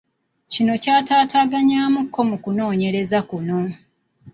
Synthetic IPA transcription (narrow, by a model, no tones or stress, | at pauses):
cino̞caːtaːtaːɡaɲaːmukʰːo̞mukuno̞ːɲe̞ɾe̞zakuno̞